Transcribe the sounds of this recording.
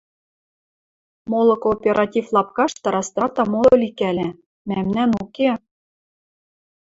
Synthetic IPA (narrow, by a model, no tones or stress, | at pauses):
molˠɤ̆koːpʲeɾʔɑtʲiflˠɑp̚kɑʃt̪ɑɾɑst̪ɑt̪ɑmolʲikælʲæ | mæmnænuke